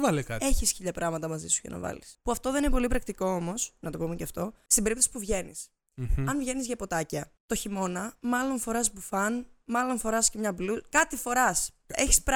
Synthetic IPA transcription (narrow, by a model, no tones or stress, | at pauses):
vɐlekɐt̪e̞çisçiʎɐpɾʔɐɣmɐt̪ɐmɐzisu̥ʝɐ̰nʔɐ̰vɐ̰lispuɐft̪o̞ðeninep̬o̞lipɾɐkt̪iko̞omo̞snɐt̪o̞pomeceɐft̪o̞st̪ibeɾip̚t̪osi̥puvʝe̞nḭs | ɐnvʝe̞nizʝɐpo̞t̪ɐcɐt̪o̞çimo̞nɐmɐlo̞nfo̞ɾɐsbufɐnmɐlo̞nfo̞ɾɐscemɲɐblukɐt̪ifo̞ɾɐs | e̞çi̥sp